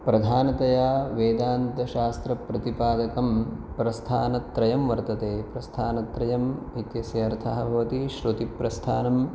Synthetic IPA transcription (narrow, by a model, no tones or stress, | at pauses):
pɾɐd̪ʱaːnɐt̪ɐjaːʋeːd̪aːnt̪ɐʃaːst̪ɾɐpɾɐt̪ipaːd̪ɐkɐmpɾɐst̪ʰaːnɐt̪ɾɐjɐmʋɐɾt̪ɐt̪eːpɾɐst̪ʰaːnɐt̪ɾɐjɐmit̪jɐsjɐɐɾt̪ʰaɦɐ̆bʱɐʋɐt̪iʃɾot̪ipɾɐst̪ʰaːnɐm